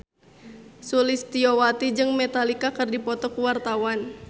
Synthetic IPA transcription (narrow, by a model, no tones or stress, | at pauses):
sulist̪iowat̪id͡ʒɨŋmɛt̪alikakɨrdipɔt̪ɔkuwart̪awan